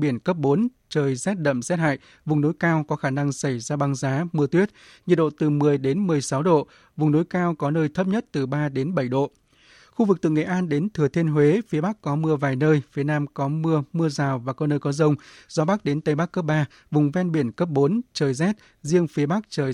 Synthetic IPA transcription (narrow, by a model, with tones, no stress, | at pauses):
ɓi˧˩ənkə˦˥p̚ɓo˨˦n | t͡ɕəː˨˩jzɛ˦˥t̚ɗə̰˧˨msɛ˦˥t̚ha̰ː˧˨j | vʊ˨˩ŋ͡mno˨˦jkaː˧wkɔ˨˦xaː˧˩na˧ŋsa˧˩jzaː˧ɓa˧ŋzaː˨˦mɨ˧ət̪wi˦˥ət̚ | ɲi˨˩t̚ɗo̰˧˨t̪ɨ˨˩mɨ˨˩əjɗe˨˦nmɨ˨˩əjsa˨˦wɗo̰˧˨ | vʊ˨˩ŋ͡mno˨˦jkaː˧wkɔ˨˦nəː˧jt̪ʰə˦˥p̚ɲə˦˥t̚t̪ɨ˨˩ɓaː˧ɗe˨˦nɓə˧˩jɗo̰˧˨ | xu˧vɨ˨˩k̚t̪ɨ̰˧˨ŋḛ˧˨ʔaː˧nɗe˨˦nt̪ʰɨ˨˩ət̪ʰe˧nɦwe˨˦fi˨˦ɓa˦˥kkːɔ˨˦mɨ˧əvaː˨˩jnəː˧jfi˨˦ənaː˧mkɔ˨˦mɨ˧əmɨ˧əzaː˨˩wvaː˨˩kɔ˨˦nəː˧jkɔ˨˦zə˧wŋ͡mz̥ɔ˨˦ɓa˦˥k̚ɗe˨˦nt̪ə˨˦jɓa˦˥kːə˦˥p̚ɓaː˧ | vʊ˨˩ŋ͡mvɛ˧nɓi˧˩ənkə˦˥p̚ɓo˨˦nt͡ɕəː˨˩jzɛ˦˥t̚ | zi˧əŋfi˨˦əɓa˦˥k̚t͡ɕəː˨˩